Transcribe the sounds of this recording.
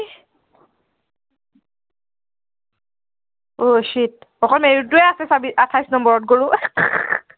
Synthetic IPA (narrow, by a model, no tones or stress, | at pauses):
oʃit̚ɔkɔlmeɹutʊɛasɛsabiatʰajsnɔmbɔɹɔt̚ɡoɹʊ